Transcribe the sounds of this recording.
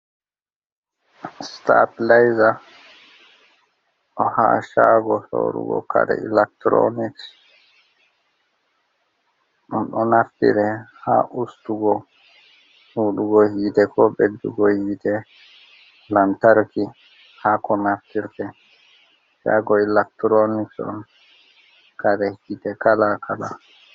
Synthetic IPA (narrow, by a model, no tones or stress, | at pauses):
st̪aːt̪lajza | ɔha̰ʃaːɡɔso̰ːɾṵɡɔ̰kaɾɛ̰ɪlak̚t̪ɾo̰niks | unʔɔnaft̪ḭɾɛha̰ʔust̪uɡɔ | huːduɡɔhiːt̪ɛkʰɔbɛd̪uɡɔhiːt̪ɛ | lant̪aɾɔki | hakɔnaft̪iɾt̪ɛ | ʃa̰ːɡɔɪlak̚t̪ɾonɪt͡ʃɔ̰n | kaɾɛɡit̪ɛkalakʰala